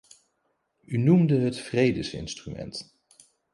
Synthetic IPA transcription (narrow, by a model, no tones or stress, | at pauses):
ynumdəɦətfrejdəsɪ̰nstrymɛ̰nt